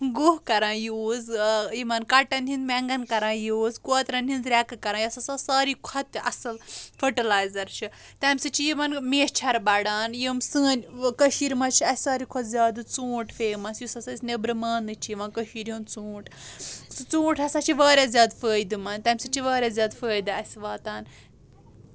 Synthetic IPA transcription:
ɡuɦkɐɾãːjuːzjimɐnkɐʈɐnʲɦĩnd̪mɛŋɡɐnkɐɾãːjuːzkoːt̪ɾɐnʲɦind̪ɾɛkɨkɐɾãːjɐsɐsɐsaːɾikʰɐt̪ʔɐ̰sɐlfəʈɐlaːjzɐɾt͡ʃʰi | t̪amʲsɨt͡ʃʰijimɐnmeːst͡ʃʰɐɾbɐɽaːnjimsɨːnʲkəʃiɾmɐt͡ʃʰiɐsʲsaːɾikʰɔt̪zʲaːd̪ɨt͡suːʈfeːmɐsjusɐsɐsʲnebɾɨmaːnɨt͡ʃʰiʋãnkəhiːɾjunt͡suːʈʰsɨt͡sũːʈʰɐsat͡ʃʰiʋaːɾʲaːzʲjaːd̪fəːjd̪ɨmɐnt̪ɐmʲsɨt͡ʃʰiʋaːɾʲjaːzʲaːd̪fəːjd̪ɨɐsʲʋaːt̪aːn

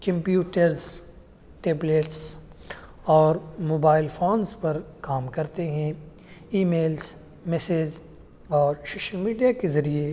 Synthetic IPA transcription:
kɐ̃mpjuːʈəɾz | ʈeːbleːʈs | ɔːɾmoːbaːɪlfoːnzpɐɾkaːmkɐɾt̪eɦɛ̃ | iːmeːlz | mɛseːd͡ʒ | ɔːɾsoːʃəlmiːɖijakezɐɾie

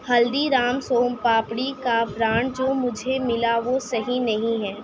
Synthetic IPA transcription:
hɐld̪iɾaːmsoːmpaːpɽikabɾaːɳ̚d͡ʒoːmʊd͡ʒʱemɪlaʋosɐɦinɐɦĩɦɛː

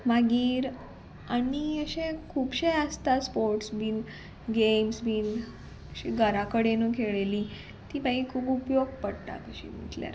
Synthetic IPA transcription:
maɡiːɾ | aɽiəɕẽkʰuːbɕeəst̪aspoɾʈsbiːn | ɡemsbʱiːn | əɕiɡʱəɾakəɽenəkʰeɭeli | t̪iːpaikʰuːpupjoɡ̚pəɽt̪a̰kəɕḭːm̤ḭʈlja̰ɾ

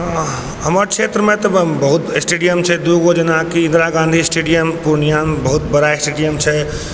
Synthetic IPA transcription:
ɦəməɾkt͡ʃʰet̪ɾəmẽt̪ɔbəɦut̪sʈeɖijəmt͡ʃʰɛd̪uɡod͡ʒənakiĩnd̪ɾaɡãnd̪ʱisʈeɖijəmpuɾnijanbəɦut̪̚bəɾaesʈeɖijəmt͡ʃʰɛ

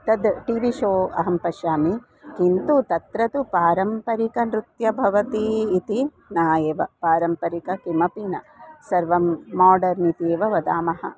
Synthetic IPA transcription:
t̪ɐd̪ʈiʋiʃoːɐɦɐmpɐʃjaːmi | kint̪ut̪ɐt̪ɾɐt̪upaːɾɐmpɐɾikɐnɾut̪jɐbʱɐʋɐt̪iːt̪i | naːjeʋɐpaːɾɐmpɐɾikɐkimɐpinɐ | sɐɾʋɐmːaːɖɐɾnit̪eːʋɐʋɐd̪aːmɐhɐ̰

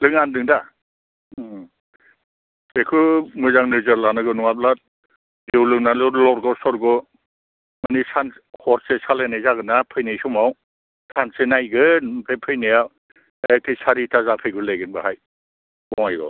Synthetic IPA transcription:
lɯŋandɯŋda | ekʰɯmɯzaŋnɯzɯɾlanɯɡɯnuŋap̚la | dewlɯŋnalɔɾlɔɾɡɔsɔɾɡɔ | manisanhɔɾsesalenajzaɡɯnapʰɯjnijsɔmaw | tʰansenajɡɯnpɾejpʰɯjnija | ak̚tʰijsaɾitʰazapʰɯjɡɯlejɡɯnbaɦaj | bɔŋajɡɔ̰

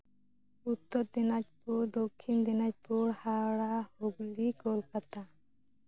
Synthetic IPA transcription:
ut̪ːɔɾd̪inat͡ʃpuɾd̪okʰːind̪inat͡ʃ̚puɾhaɽahoɡlikɔlkat̪a

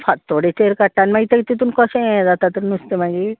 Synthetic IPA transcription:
pʰat̪ːoɽet̪eɾkaʈːanmaɡit̪ekt̪it̪unkɔsed̪at̪at̪uɾnust̪emaɡi

